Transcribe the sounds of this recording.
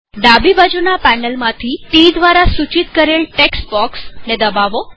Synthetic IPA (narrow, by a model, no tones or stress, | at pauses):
ɖabibad͡ʒunapɛnəlmãt̪ʰiʈid̪ʋaɾasut͡ʃit̪kəɾelʈeksbɔksned̪əbaʋo